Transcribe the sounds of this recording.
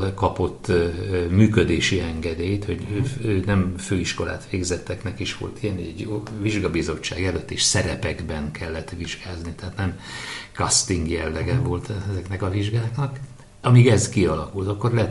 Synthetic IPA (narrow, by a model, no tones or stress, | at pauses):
kɒpo̞t̪ːmyːkød̪eːʃiɛŋɡɛd̪eːjt̪ho̞ɟøønɛmføːiʃko̞la̰ːt̪ʋeːɡzɛt̪ːɛknɛkiʃʋo̞̰lt̪ʰijɛnɛɟɛɟoviʒɡɒbizo̞t͡ʃːaːɡɛløt̪ːeːʃsɛɾɛpɛɡbɛŋkɛlːɛt̪ʋiʒɡaːznit̪ɛaːt̪nɛmkɒst̪iŋɡjɛlːɛɡɛvolt̪ʰɛzɛknɛkɒviʒɡaːknɒk | ɒmiɡɛzkiɒlɒkult̪ɒkːo̞rlɛɛ